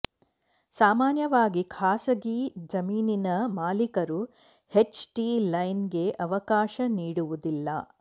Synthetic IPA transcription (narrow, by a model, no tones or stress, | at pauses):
saːmaːnjɐʋaːɡikʰaːsɐɡid͡ʒɐmiːninɐmaːlikɐɾu | het͡ʃʈilɐjnɡe̞ʔɐʋɐkaːʃɐniːɽuʋud̪ilːɐ̰